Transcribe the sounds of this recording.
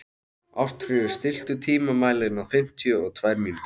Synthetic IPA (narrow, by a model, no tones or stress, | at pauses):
awr̥t̪fɾɪðɪɾ̥st̪ɪl̥t̪ʏt̪ʰiːmamaːjlɪnawfɪm̥t̪ʰiʏɔɣt̪ʰvajɾmiːn